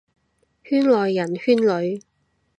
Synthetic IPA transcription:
hyː˥nlɔː˨jːɐ˨˩nhyː˥nlɵ˨˧ɥ

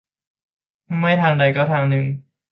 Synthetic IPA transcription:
ma˥˩jt̪ʰaː˧ŋda˧jkɔː˥˩t̪ʰaː˧ŋnɯ˧ŋ

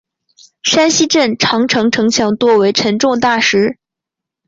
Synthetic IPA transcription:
ʂa˥nɕi˥ʈ͡ʂə˥˩nʈ͡ʂʰɑ˧˥ŋʈ͡ʂʰɤ˧˥ŋʈ͡ʂʰɤ˧˥ŋt͡ɕʰjɑ˧˥ŋt̪wɔ˥we˧˥ɪʈ͡ʂʰə˧˥nʈ͡ʂʊ˥˧ŋt̪a˥˩ʂɻ̩˧˥

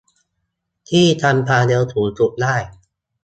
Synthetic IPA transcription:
t̪ʰiː˥˩t̪ʰa˧mpʰaː˧le˧wt̪ʰuː˩˦t͡ɕu˨˩daː˥˩j

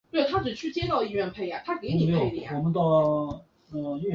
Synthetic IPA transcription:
t̪we˥˩ɪt̪ʰa˥ʈ͡ʂɻ̩˨˩t͡ɕʰy˥˩t͡ɕjɛ˥t̪ɑ˥˧ʊi˥˧ɥɛ˥˧npʰe˥˩ɪja˨˩t̪ʰa˥ke˧˥ɪi˨o˥e˩˥˩lḭ˨˩ɔ˨˩mə˦t̪ɑ˥˧ʊ | ə˥˩i˥˧

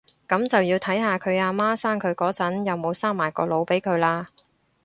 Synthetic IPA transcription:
kɐ˨˥mt͡sɐ˨wjiː˧wt̪ʰɐ˨˥jɦaː˨˧kʰɵ˨˧ɥaː˧maː˥saː˥ŋkʰɵ˨˧ɥkɔː˨˥t͡sɐ˨˥njɐ˨wmo˨˧wsaː˥ŋmaː˨˩jkɔ̰ː˧lo˨˧wpe˨˥jkʰɵ˨˧ɥlaː˧

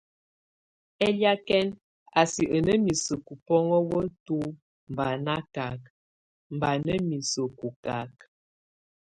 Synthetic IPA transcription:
ɛ˦lja˦kɛ˦n | a˨si˨ʔə˨nə˦mi˨sə˨ku˨pɔ˦ŋɔ˦wə˦tu˦ | m˨ba˨na˦ka˨k̚ | m˨ba˨nə˦mi˨sə˨ku˨ka˨k̚

